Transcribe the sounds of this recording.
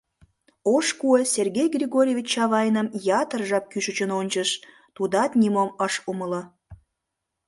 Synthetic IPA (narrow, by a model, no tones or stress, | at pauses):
oʃkuesʲerɣʲejɡrʲiɣoɾʲevʲit͡ɕɑβɑjnəmjɑt̪ərʒɑp̚kyʃət͡ɕənonʲt͡ɕəʃ | t̪ud̪ɑt̪nʲimoməʃumələ